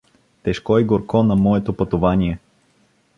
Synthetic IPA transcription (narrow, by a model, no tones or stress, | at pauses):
t̪ɛʃkɔiɡoɾkɔnɐmɔɛt̪opɐt̪ovanʲiɛ